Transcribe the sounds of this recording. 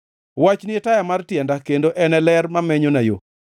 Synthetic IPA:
wat͡ʃnɪɛtajamartjɛndakendoʔɛnɛlɛrmamɛɲonajo

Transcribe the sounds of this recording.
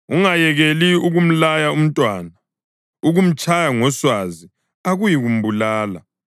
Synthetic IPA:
uŋajɛɣeliuɣum̩lajaum̩tʼwana | uɣum̩t͡ʃʼajaŋɔswazi | aɣujiɣum̩bulaːla̰

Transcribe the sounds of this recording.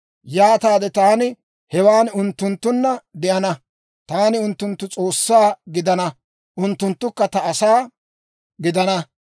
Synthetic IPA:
jaːt̪aːd̪ɛt̪aːnɪ | hɛwaːnʊnt̪ːʊnt̪ːʊnːɐd̪ɛʔɐnɐ | t̪aːnɪʊnt̪ːʊnt̪ːʊt͡sʼo̞ːsːaːɡɪd̪ɐnɐ | ʔʊnt̪ːʊnt̪ːʊkːɐt̪ɐːsaː | ɡɪd̪ɐnɐ

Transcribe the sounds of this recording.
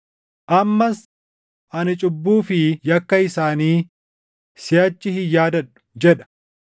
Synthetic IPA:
ʔɐmːɐs | ʔɐnɪt͡ʃʼʊbːuːfɪjɐkːɐɪsaːniː | sɪɐt͡ʃːɪhɪjaːd̪ɐᶑʊ̥d͡ʒɛᶑɐ̥

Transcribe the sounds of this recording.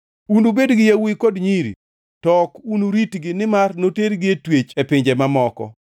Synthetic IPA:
unubedɡɪjawikodɲiɾḭ | tɔkunuɾitɡɪnɪmarnoteɾɡɪetwet͡ʃepɪɲd͡ʒemamɔkɔ̰

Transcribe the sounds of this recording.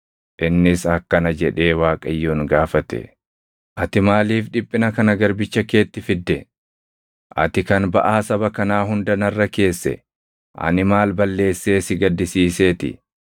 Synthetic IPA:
ʔɪnːɪsɐkːɐnɐd͡ʒɛᶑe̞ːwaːkʼɐjːoːŋɡaːfɐt̪ɛ̰ | ʔɐt̪ɪmaːliːfᶑɪpʼːɪnɐkɐnɐɡɐɾbɪt͡ʃːɐke̞ːt̪ːɪfɪd̪ːɛ | ʔɐ̰t̪ɪkɐnbɐ̰ʔaːsɐbɐkɐnaːɦʊnd̪ɐnɐrːɐke̞ːsːɛ̰ | ʔɐ̰nɪmaːlbɐlːe̞ːsːe̞ːsɪɡɐd̪ːɪsiːse̞ːt̪ɪ̰

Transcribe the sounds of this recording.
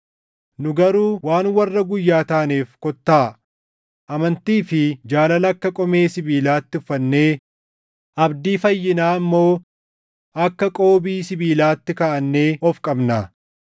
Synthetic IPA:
nʊɡɐɾuːwaːnwɐrːɐɡʊjːaːt̪aːneːfkɔt̪ːaː | ʔɐmɐnt̪iːfɪd͡ʒaːlɐlɐkːɐkʼɔme̞ːsɪbiːlaːt̪ːɪʊfːɐnːe̞ː | ʔɐbd̪iːfɐjːɪnaːmːo̞ː | ɐkːɐkʼo̞ːbiːsɪbiːlaːt̪ːɪkɐːʔɐnːe̞ːʔɔfkʼɐbnɐ

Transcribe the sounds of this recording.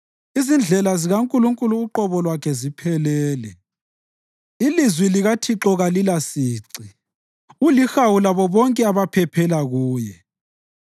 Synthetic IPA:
izind͡ɮʱɛlaziɣaŋkʼuluŋkʼuluːǃɔβɔlwakʰɛzipʰɛlɛːlɛ | ilizwiliɣatʰiǁɔɣalilasiːǀi | ulixawulaβɔβɔŋkʼɛaβapʰɛpʰɛlaɣuːjɛ

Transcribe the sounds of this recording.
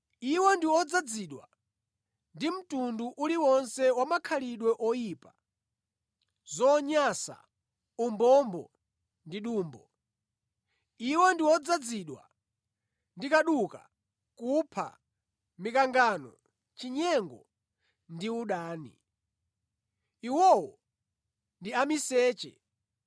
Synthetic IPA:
iwɔndiwɔd͡zad͡ziɗwa̰ | ndim̩tunduʔuliwɔnsɛwamakʰaliɗwɛʔɔjipa | zɔɲasa̰ | umbɔmbɔ̰ | ndiɗuːmbɔ | iwɔndiwɔd͡zad͡ziɗwa̰ | ndikaɗuka̰ | kupʰa̰ | mikaŋɡanɔ̰ | t͡ʃiɲɛŋɡɔ̰ | ndiuɗaːnḭ | iwɔwɔ | ndiamisɛːt͡ʃɛ̰

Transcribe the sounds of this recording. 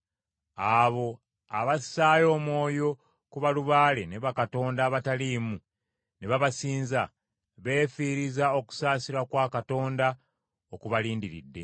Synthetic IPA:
aβo̞ | a̰βassaːjo̞ːmwo̞ːjo̞ | kuβaluβaːle̞ne̞βakato̞ːndaːβataliːmu | ne̞βaβasiːnza | βe̞ːfiːɾizao̞ku̥saːsiɾakwaːkato̞ːnda | okuβaliːndiɾḭdːe̞̰

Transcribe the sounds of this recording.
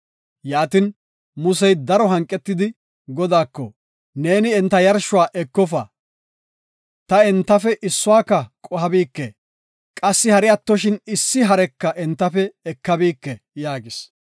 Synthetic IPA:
jaːt̪ɪn | mʊsɛjd̪ɐɾɔɦɐŋkʼːɛt̪ːɪd̪ɪ | ɡɔd̪aːkːɔ̰ | ne̞ːnɪɛnt̪ːɐjɐɾʃʊwaːʔɛkːɔfɐ | t̪ɐɛnt̪ːɐfɛʔɪsːʊwaːkːɐkʼɔhɐbiːkːɛ | kʼɐsːɪhɐɾɪjɐt̪ːɔʃɪnɪsːɪɦɐɾɛkːɐʔɛnt̪ːɐfɛːkːɐbiːkːɛ | jaːɡɪs

